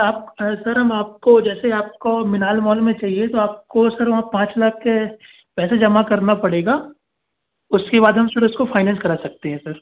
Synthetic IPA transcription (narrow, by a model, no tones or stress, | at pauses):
aːp̚sɐɾɦɐmaːp̚kod͡ʒɛːseaːp̚komɪnaːlmɔːlmẽt͡ʃaːɦiet̪oaːp̚kosɐɾʋɐɦãpãːt͡ʃlaːk̚ʰːe | pɛːsad͡ʒɐmakɐɾnapɐɽeːɡaː | ʊskebaːd̪ʱɦɐmsɐɾʊskofʰaːɪnɛ̃ːnskɐɾaːsɐk̚t̪eɦɛ̃sɐɾ